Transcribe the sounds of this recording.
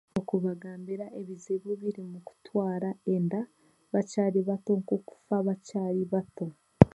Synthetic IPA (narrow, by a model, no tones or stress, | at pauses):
okuβaɡaːmbiɾaʔeβizeβuβiɾimuku̥twaːɾaenda | βacaːliβato̞ŋkoku̥faβacaːɾiβato̞